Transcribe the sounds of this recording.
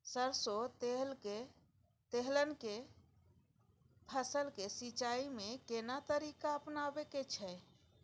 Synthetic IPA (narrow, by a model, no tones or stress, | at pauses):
səɾsot̪ele | t̪eɦlənke | pʰəsəlkesit͡ʃaimẽkenat̪əɾikaəpnabeket͡ʃʰɛ